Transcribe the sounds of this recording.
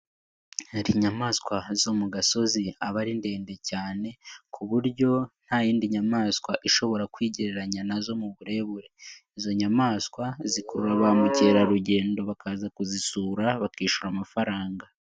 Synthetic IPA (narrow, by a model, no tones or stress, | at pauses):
ɾiɲamaːskwazo̞muɡaso̞ziaβaɾinde̞ːnde̞caːne̞kʰuβuɾɟo̞n̥hajiːndiɲamaːskwaʔiʃo̞βo̞ɾakwiːɟiɾeɾaɲanazo̞muβuɾe̞βuɾe̞izo̞ɲamaːskwazikoɾuɾaβamuceɾaɾuɟe̞ːndo̞βakaːzakuzisuːɾaβakiːʃuɾamafaɾaːŋɡa